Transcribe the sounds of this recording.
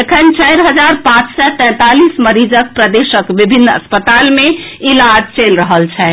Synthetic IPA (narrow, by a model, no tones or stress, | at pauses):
ekʰənt͡ʃəjɾɦəd͡ʒaɾpãt͡ʃsɔt̪ɛ̃t̪alisməɾid͡ʒək̚pɾəd̪esəkbibʱinːə̰spət̪almeilad͡ʒt͡ʃelɾəɦəlt͡ʃʰɛ